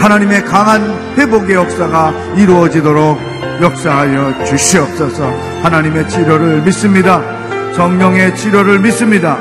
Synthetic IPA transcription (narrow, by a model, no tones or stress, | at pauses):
hanaɲime̞kaŋan | ɸweboɡe̞jʌk̚s͈aɡa | iɾuʌd͡ʑidoɾoɡ̚ | jʌk̚s͈aɦajʌt͡ɕuɕʰiʌk̚s͈ʌsʰʌ | hanaɲime̞t͡ɕʰiɾjʌɾɯɭmis͈ɯmɲida | sʌŋɲʌŋe̞t͡ɕʰiɾjʌɾɯɭmis͈ɯmɲida